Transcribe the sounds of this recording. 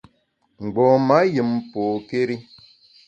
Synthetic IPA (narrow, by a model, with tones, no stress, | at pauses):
ŋ͡m̩˨ɡ͡bɔ˨ma˨˦jɨ˨m˨po˨ke˦ɾi˦